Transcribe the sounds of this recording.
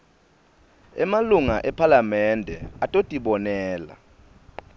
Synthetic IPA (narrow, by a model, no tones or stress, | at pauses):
ɛmaluŋaʔɛpʰalamɛndʱɛ̰atʼotʼiɓɔnɛːla̰